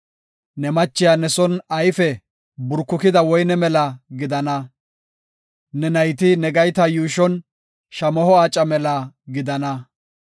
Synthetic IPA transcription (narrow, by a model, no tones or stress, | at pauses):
nɛmɐt͡ʃːɪjaːnɛsɔnɐjfɛ | bʊɾkːʊkɪd̪ɐwɔjnɛmɛlɐɡɪd̪ɐnɐ | nɛnɐjt̪ɪnɛɡɐjt̪ɐjuːʃɔn | ʃɐmɔhɔaːt͡ʃʼːɐmɛlɐɡɪd̪ɐnɐ